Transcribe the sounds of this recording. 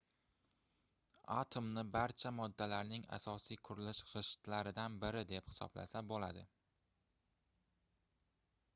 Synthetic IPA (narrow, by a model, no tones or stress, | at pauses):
at̪ʰomnɪbaɾt͡ʃʰamɒd̪ːalaɾnɪŋa̰sɒsijkʰʊɾɪlɪʃɾɪʃt̪laɾɪd̪anbɪɾɪd̪e̞phɪ̥sɒ̰bla̰sabola̰d̪ɪ